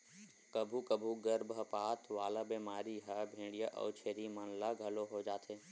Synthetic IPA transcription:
kɐbʱukɐbʱuɡɐɾbʱəpaːt̪ʰʋaːlabeːmaːɾiɦɐbʱẽːɽɖijəʔɔ̰ːt͡ʃʰeːɾimɐnlaɡʱɐloɦod͡ʒaːt̪ʰeː

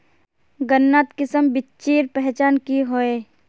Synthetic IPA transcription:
ɡənːaːt̪kɪsəmbɪtːt͡ʃeːɾpɛɦt͡ʃaːnkiɦoe

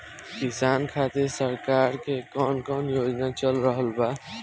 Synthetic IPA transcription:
kisankʰat̪eɾsəɾkaɾkekɔnkɔnjod͡ʒnat͡ʃəlɾəɦəlba

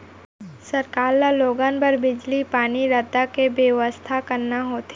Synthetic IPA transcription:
sɐɾkaːɾlaloːɡãːnbəɾbɪd͡ʒlipaːniɾəd̪akebjəʋəst̪ʰakɐɾnaɦoːt̪e

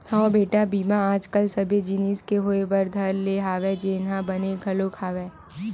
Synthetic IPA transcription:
aobeːʈabiːmãaːd͡ʒkəlsɐbʱed͡ʒiniskeɦoːeʋɐɾd̪ʱɐɾleɦaːʋed͡ʒeːnɦãbɐneɡʱɐlokʰaːʋeː

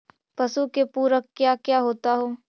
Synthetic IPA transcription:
pɐsukepuːɾəkkːjaːkjaːɦoːt̪aɦoː

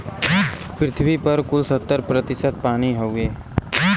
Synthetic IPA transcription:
pɾɪt̪ʰbipəɾkʊlsət̪ːəɾpɾət̪ɪsət̪̚paːñiɦoweː

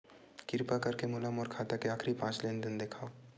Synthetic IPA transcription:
kɪɾpakɐɾkemʊləmɔːɾkʰaːt̪akeaːkʰɾipãːt͡ʃleːnd̪ɪnd̪eːkʰaːo

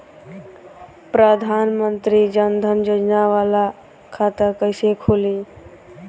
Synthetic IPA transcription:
pɾəd̪ʱanmənt̪ɾid͡ʒənd̪ʱənd͡ʒod͡ʒnaʋala | kʰat̪əɾkəɪsekʰoli

